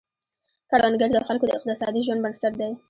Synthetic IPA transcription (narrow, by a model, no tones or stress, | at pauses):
kaɽwɑnɡaɾd̪əxalkod̪əɪq̚t̪ɪsɑd̪iʒwand̪bansaɾd̪aj